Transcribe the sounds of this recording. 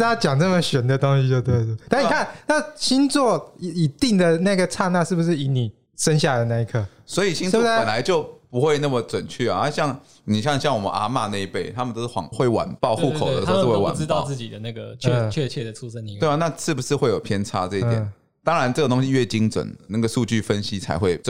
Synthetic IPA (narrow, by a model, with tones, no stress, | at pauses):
a˥t͡ɕjɑ˨˩ŋnə˥˩mə˨˩ɕɥɛ˨˦nd̪ə˨t̪o˥ŋɕi˧˥o˧t̪we˥˧ɪtt̪a˥ni˨˧˨kʰa˥˨nna˥˩ɕi˦˥nt͡swɔ˥˩i˨˥i˨˩t̪i˥˩ŋd̪ə˨˩na˥˩˥ɡə˩t͡sʰa˥˧na˥˧ʂɻ̩˥˩bu˩ʂɻ̩˥˩i˧˥ni˨˩ | ʂə˦nɕ̬ja˥˩˨a˨˩d̪ə˧na˥˧i˥˧kʰɤ˥˩ | swɔ˧˥i˨˩ɕi˥n˥˩ɔ˥pə˨˩nla˨˦ɪt͡ɕjo˥˩ʊpu˧˦xwe˥˧ɪna˥˩mə˨t͡swə˨˩nt͡ɕʰy˥˩a̰˨a˥˧ɕjɑ˥˩ŋ | ni˨˩ɕ̬jɑ˥˧ŋɕjɑ˥˩ŋwɔ˨˩mə̰˦na̰˥ma˥˧na˥˧i˥pe˥˩ɪt̪ʰa˦mə˨nt̪o˥ʊʂ̩˥˩wɑ̰˨ŋxwe˥˩ɪwa̰˨˩npɑ˥˧ʊxu˥˩kʰo˨də˦˥˦o˥we˥˧˩wa̰˨˩˥ɻ̩˥ɑ˥˧ʊt͡sɹ̩˥˩t͡ɕi˨˩d̪ə˦na˥˩ɡə̰˩t͡ɕʰt͡ɕʰɥɛ˥˧t͡ɕʰɛ˥˩d̪ə˩ʈ͡ʂʰu˥ʂə˥ni˧we˥˩˧na˥˧ʂɻ̩˥˩bu˩ʂɻ̩˥˧xwe˥˩ɪjo˨˩ʊpʰjɛ˦nt͡sʰa˥t͡sɤ˥˧i˥t̪jɛ˨˩ | t̪ɑ˥ŋɻa˧˦nt͡sɤ˥˩ə˩t̪o˥ŋɕi˦˥ɥɛ˥˩t͡ɕi˥ŋt͡swə̰˨˩˦nna˥˩ɡə˩ʂu˥˧t͡ɕy˥˩fə˦nɕi˦t͡sʰa̰˧ɪxwe˥ɪ